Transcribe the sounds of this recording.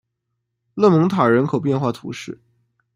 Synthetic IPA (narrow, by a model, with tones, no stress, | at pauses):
lɤ˥˩mɤ˧˥ŋt̪ʰa˨˩ɻə˧˥nkʰo˨˩ʊp̬jɛ˥˧nxwa˥˩t̪ʰṵ˧˥ʂɻ̩˥˩